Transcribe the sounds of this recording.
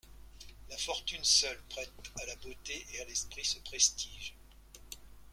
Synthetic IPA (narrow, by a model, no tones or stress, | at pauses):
lafɔʁt̪ynsœlpχɛt̪alabot̪eʔealɛspχisəpχest̪iːʒ